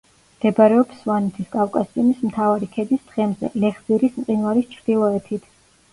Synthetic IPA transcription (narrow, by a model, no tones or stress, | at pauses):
md̪̥ɛbaɾɛɔpsvanɛt̪ʰiskʼafkʼasimismt̪ʰavaɾikʰɛd̪isd̪̥ʁɛmzɛ̰lɛχziɾismt̪ʼinvaɾist͡ʃʰɾd̪̥ilˠɔɛt̪ʰit̪ʰ